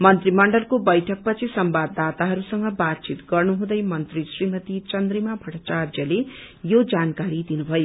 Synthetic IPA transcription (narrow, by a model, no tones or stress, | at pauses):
mʌnt̪rimʌɳɖʌlkobʌjʈʰʌk̚pʌt͡sʰisʌmbad̪ːat̪aɦʌɾusʌŋɡʌbat̪̚t͡sit̪ɡʌrnuɦũd̪ʌjmʌnt̪risrimʌt̪it͡sʌnd̪rimabʱʌʈʰʌt͡sard͡ʒjʌle | jod͡zankaɾid̪inubʱʌjo